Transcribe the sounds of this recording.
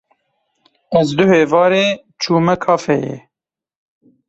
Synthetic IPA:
ɛzd̪ʊheːvɑːɾeː | t͡ʃʰuːmɛkʰɑːfɛjɛ̰ː

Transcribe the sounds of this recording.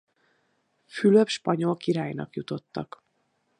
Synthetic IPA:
fyløpʃpɒɲo̞lkiɾaːjnɒ̰kjut̪o̞t̪ːɒk

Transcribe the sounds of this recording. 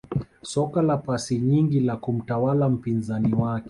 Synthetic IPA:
sɔkalapasiɲiŋɡilakum̩tawalam̩pinzaniwakɛ

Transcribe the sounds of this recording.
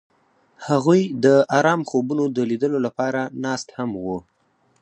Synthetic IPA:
haɣujd̪əɑɾɑmxobunod̪əlid̪əlolapɑɾanɑst̪hamwu

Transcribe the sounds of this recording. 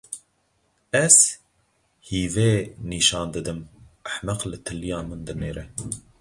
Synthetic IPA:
ɛz̥ | hiːveːniːʃɑːnd̪ɨd̪ɨmʔæħmæqlɨt̪ʰɨlːijɑːmɨnd̪ɨneːɾɛ

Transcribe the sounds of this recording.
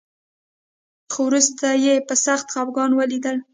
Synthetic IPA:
xowɾust̪ajepəsaxt̪xabɡɑnwəlid̪əl

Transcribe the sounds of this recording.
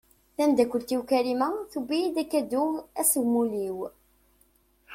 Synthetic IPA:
θænd̪ækʷːʊlt̪ːiwkæɾimæθubijid̪ækːæd̪ʊæsəwmuliw

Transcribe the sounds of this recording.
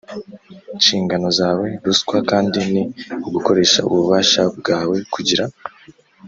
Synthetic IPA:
iʃiːŋɡano̞zaːwe̞ɾuskwakaːndiniuɡuko̞ɾe̞ːʃa̰ṵβuβaːʃabɡaːwe̞kʰuɟiɾa

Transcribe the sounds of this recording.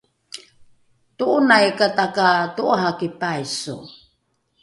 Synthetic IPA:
tuʔunajkatakatuʔaɦakipajsṵ

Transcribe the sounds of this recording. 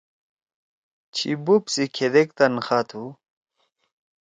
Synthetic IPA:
t͡ɕʰḭbupsikʰed̪ek̚t̪ɐnxat̪ʰu

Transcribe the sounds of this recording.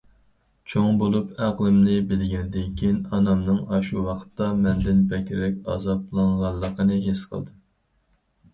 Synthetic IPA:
t͡ʃʰoŋbolˠupæqlˠɨmnɪbɪlɡʲɛnɪd̪ɪnkʲʰinɑnɑmnɨŋɑʃuwɑqʰə̥t̪ːɑmɛnd̪ɪnbɛkʲɾɪlɛkʲɑ̰zɑblˠɑŋʁɑnlˠːəqʰənɨɦesqʰə̰lˠd̪ɨm

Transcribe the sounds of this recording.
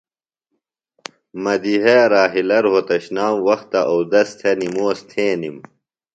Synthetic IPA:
mɐd̪iɦeɾaːɦilɐɾɦot̪ɐɕnaːmwɐxt̪ɐʔowd̪ɐst̪ʰenimoːst̪ʰẽːnim

